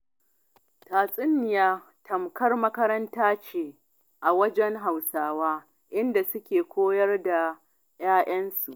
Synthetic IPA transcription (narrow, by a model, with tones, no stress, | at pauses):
taː˨sʼɪ˦nːɪ˨jaː˦ | tʰɐ˨mkɐ˦rmɐ˦kɐ˦ɾɐ˦ntaː˦t͡ʃeː˦ | ʔa˨wɐ˦d͡ʒɛ˦ŋɦa˨wsaː˦waː˦ | ʔɪ˦nda˨sʊ˦kʲeː˨kʷoː˦jɐ˦rda˨ | jaː˦ʔɐ˦nsu˨ʔ